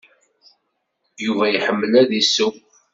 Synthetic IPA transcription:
juvæjħəmːəlæðisuw

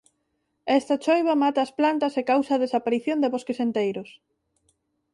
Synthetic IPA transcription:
ɛst̪ɐt͡ʃojβɐmat̪ɐːsplant̪ɐsekawsɐaːðesapaɾiθjond̪eβɔskesent̪ejɾʊs

